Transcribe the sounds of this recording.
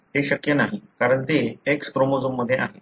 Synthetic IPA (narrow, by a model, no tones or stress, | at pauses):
ɦeɕəkjənaɦikaɾəɳt̪eekspɾomod͡zumːəd̪ʱːjeʔa̰ɦe